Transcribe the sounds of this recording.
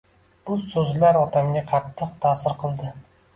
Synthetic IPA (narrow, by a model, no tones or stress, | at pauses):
b̥ʊsɵzlaɾɒt̪ʰamɡʲaqʰɑt̪ʰːɨqt̪ʰaːsɪɾqʰɨlˠd̪ɪ